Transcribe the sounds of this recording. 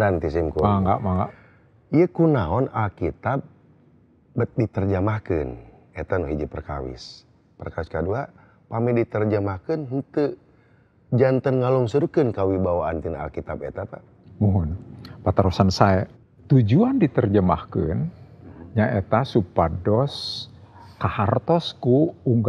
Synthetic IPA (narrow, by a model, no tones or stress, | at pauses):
nant̪is̬imkumaŋɡa̰ʔmaŋɡa̰ʔ | ijəkunaɔnalkit̪ab̚ | bət̪̚dit̪ərd͡ʒəmahkɨ̰n | et̪anɔɦid͡ʒəpərka̰wɪ̰s | pərkawiskadua | pamɛdit̪ərd͡ʒəmahkənɦənt̪ə | d͡ʒant̪ənŋalɔŋsəɾukənkawibawaant̪ina̰lkit̪abḛt̪apa | muɦʊnpat̪aɾosansaa | t̪ud͡ʒuandit̪ərd͡ʒəma̰hkə̰nɲaʔet̪asupadɔs | kahart̪ɔskuuŋɡ